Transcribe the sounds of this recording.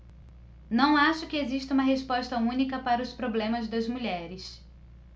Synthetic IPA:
nɐ̃w̃aʃʊkɪeziʃt̪ɐũmɐɦespɔʃt̪ɐũnikɐpaɾɐʊspɾoblẽmɐzd̪ɐzmuʎɛɾɪs

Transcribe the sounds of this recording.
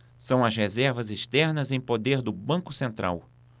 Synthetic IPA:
sɐ̃w̃ɐzhezɛɾvɐzeʃt̪ɛɾnɐzẽj̃pod̪eɾd̪ʊbɐ̃ŋkʊsẽnt̪ɾʔa̰w

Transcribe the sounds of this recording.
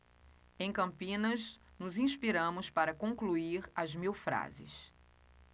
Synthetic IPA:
ẽj̃kɐ̃mpĩnɐz | nʊzĩspiɾɐ̃mʊspaɾɐkõŋkluiɾɐzmiwfɾa̰zɪ̰s

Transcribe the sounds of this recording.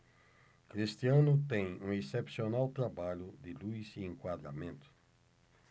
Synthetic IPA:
kɾist̪iɐ̃nʊt̪ẽj̃ũesepsionawt̪ɾabaʎʊd̪ɪlujziẽŋkwad̪ɾa̰mẽnt̪ʊ̥

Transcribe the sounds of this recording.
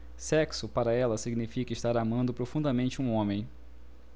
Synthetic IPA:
sɛksʊpaɾɐɛlɐsiɡnifikɐɪʃt̪aɾamɐ̃nd̪ʊpɾofũnd̪ɐmẽnt͡ʃɪũõmẽj̃

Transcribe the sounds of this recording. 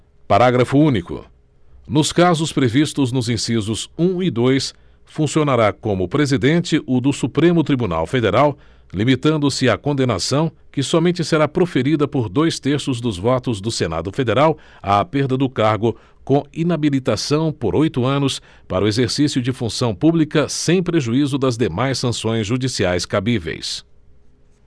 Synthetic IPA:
paɾaɡɾɐfʊũnikʊ̰ | nʊskazʊspɾevist̪ʊznʊzĩsizʊzũɪd̪ojs | fũsionaɾakõmʊpɾezid̪ẽnt͡ʃɪʔʊd̪ʊsupɾẽmʊt̪ɾibuna̰wfed̪eɾaw | limit̪ɐ̃nd̪ʊsɪakõnd̪ena̰sɐ̃w̃ | kɪsɔmẽnt͡ʃɪseɾapɾofeɾid̪ɐpoɾd̪ojst̪eɾsʊzd̪ʊzvɔt̪ʊzd̪ʊsena̰d̪ʊfed̪eɾaw | aːpeɾd̪ɐd̪ʊkaɾɡʊ | kõinabilit̪asɐ̃w̃poɾojt̪ʊɐ̃nʊs | paɾʊezeɾsisiʊd͡ʒɪfũsɐ̃w̃publikɐsẽj̃pɾeʒuizʊd̪ɐzd̪emajssɐ̃sõj̃zʒud͡ʒisiajskabivḛjs

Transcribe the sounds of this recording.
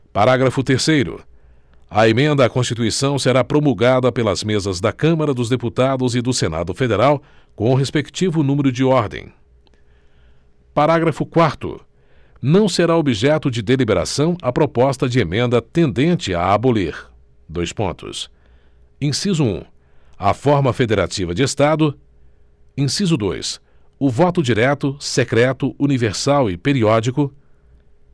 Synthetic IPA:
paɾaɡɾɐfʊt̪eɾsejɾʊ̰ | ɐemẽnd̪ɐːkõst͡ʃit̪uisɐ̃w̃seɾapɾomulɡad̪ɐpelɐzmezɐzd̪ɐkɐ̃mɐɾɐd̪ʊzd̪eput̪ad̪ʊzɪd̪ʊsena̰d̪ʊfed̪eɾaw | kõʊɦespekt͡ʃivʊnũmeɾʊd͡ʒɪɔɾd̪ḛ̃j̃ | paɾaɡɾɐfʊkwaɾt̪ʊ̰ | nɐ̃w̃seɾaobiʒɛt̪ʊd͡ʒɪd̪elibeɾa̰sɐ̃w̃ɐpɾopɔst̪ɐd͡ʒɪemẽnd̪ɐt̪ẽnd̪ẽt͡ʃɪa̰ːboleɾ | d̪ojspõ̰nt̪ʊ̰s | ẽsizʊṵ̃ | ɐ̰fɔɾmɐfed̪eɾa̰t͡ʃivɐd͡ʒɪest̪ad̪ʊ | ẽsizʊd̪o̰js | ʊvɔt̪ʊd͡ʒiɾɛt̪ʊsekɾɛt̪ʊʔuniveɾsawɪpeɾiɔd͡ʒikʊ

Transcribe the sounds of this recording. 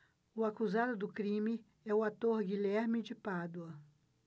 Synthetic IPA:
ʊakuzad̪ʊd̪ʊkɾĩmɪ | ɛʊat̪oɾɡiʎɛɾmɪd͡ʒɪpad̪wɐ

